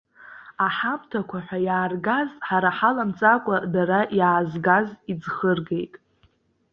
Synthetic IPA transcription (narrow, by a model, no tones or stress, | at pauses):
aħamtʰakʷaħʷajaːrɡazʼħaɾaħalamt͡sʼakʷʼadaɾaʔjaːzɡazid͡zχərɡe̞jtʼ